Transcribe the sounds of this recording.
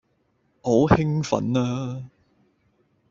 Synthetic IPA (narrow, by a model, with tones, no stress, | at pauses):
ho˨˥whɪ˥ŋfɐ̰˨˥naː˥